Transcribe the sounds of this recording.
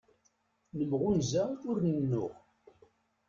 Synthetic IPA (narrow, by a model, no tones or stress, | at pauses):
nəmʁunzæʊɾnənːʊ̰ʁ